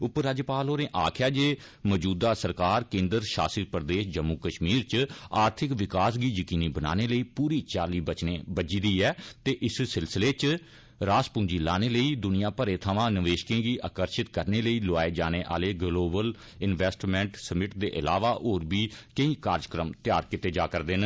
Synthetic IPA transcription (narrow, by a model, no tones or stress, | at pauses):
ʊpɾaːd͡ʒpaːloːnẽːʔaːkʰɪjaːd͡ʒeː | məd͡ʒuːd̪aːsəɾkaːɾkẽːnd̪əɾʃa̰ːsipɾd̪eːʃd͡ʒəmːukəʃmiːɾt͡ʃaːɾt̪ʰɪkʋɪkaːsɡiːjəkiːniːbəna̰ːneːləiːpuːɾiːt͡ʃaːliːbət͡ʃneːbəd͡ʒid̪iːɛːt̪eːʔɪssɪlsɪleːt͡ʃ | ɾaːspʊ̃ːɲd͡ʒiːlaːneːləiːd̪ʊnɪjãːpəɾeːt̪ʰəʋãːnəʋeːʃkẽːɡiːʔəkəɾʃɪt̪kəɾneːləiːloaːeːd͡ʒaːneːʔa̰ːleːɡloːbəl | ɪnʋɛːsʈmɛ̃ɳʈsəmɪʈd̪eːʔəlaːʋaːʔoːɾbiːkəĩːkaːɾd͡ʒəkɾəmt̪ɪjaːɾkɪt̪eːd͡ʒaːkəɾd̪eːn